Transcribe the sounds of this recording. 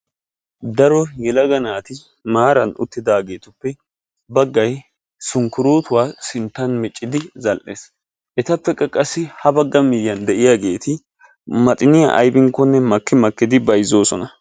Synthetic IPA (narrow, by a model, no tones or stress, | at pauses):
d̪ɐɾɔjɛlɐɡɐnaːt̪ɪ | maːɾɐnʊ̰t̪ːɪd̪aːɡe̞ːt̪ʊpːɛ | bɐɡːɐj | sʊŋkʊɾuːt̪ʊwaːsɪnt̪ːɐnmɛt͡ʃʼːɪd̪ɪzɐlʔe̞ːs | ʔɛt̪ɐpːɛkʼːɐkʼɐsːɪhɐbɐɡːɐmɪjːɐnd̪ɛʔɪjaːɡe̞ːt̪ɪ | mɐt̪ʼɪnɪja̰ʔɐ̰jbɪŋkːɔnːɛmɐkːɪmɐkːɪd̪ɪbɐjzo̞ːsɔnɐ